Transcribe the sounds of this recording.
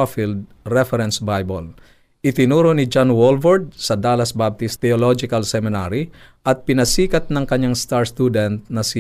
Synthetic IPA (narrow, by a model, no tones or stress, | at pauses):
afild̪̚ | ɾɛfɛɾɛnsbajbol | ʔɪt̪ɪnuːɾonid͡ʒanwolvɐɾd̪̚sɐd̪aːlɐsbab̚t̪ɪst̪ɛolod͡ʒɪkɐlsɛmɪnaɾi | ʔɐt̪̚pɪnɐsiːkɐt̪̚nɐŋkɐɲaŋst̪aɹst̪ud̪ɛnt̪̚nɐsi